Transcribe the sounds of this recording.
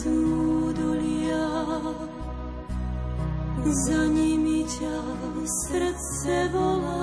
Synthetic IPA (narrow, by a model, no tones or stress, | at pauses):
ud̪ɔlija | zaɲimica | sɾt̪sɛvɔla